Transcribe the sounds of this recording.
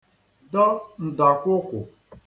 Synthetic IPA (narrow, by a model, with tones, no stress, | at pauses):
dɔ˦n̩˨da˨kʷʊ˦kʷʊ˨